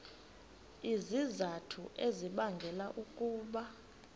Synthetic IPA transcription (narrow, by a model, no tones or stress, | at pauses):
izizatʰuʔeziɓaŋɡʱɛlaʔukʼuːɓa